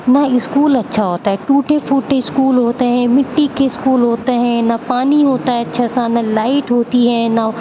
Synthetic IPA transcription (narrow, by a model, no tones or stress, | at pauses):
nɐɪskuːlɐtːʃʰaɦoːt̪aɦɛʈuːʈefʰuːʈeɪskuːlɦoːt̪eɦɛ̃ːmɪʈːikeskuːlɦoːt̪eɦɛ̃ːnɐpaːniɦoːt̪aɦɛɐtːʃʰasanɐlaːɪʈɦoːt̪iɦɛːnɐ